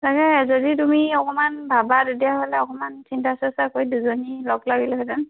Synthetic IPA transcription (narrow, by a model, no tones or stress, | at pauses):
takɛzɔdit̬umiɔkɔmanbʱabadedijaɦolɛɔkɔmansintasasakojduzonilɔɡlaɡilɛɦɔdɛn